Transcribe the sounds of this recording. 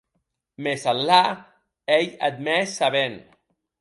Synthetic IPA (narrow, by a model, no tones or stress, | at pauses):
mesalːa | ejad̪̚mɛsaβen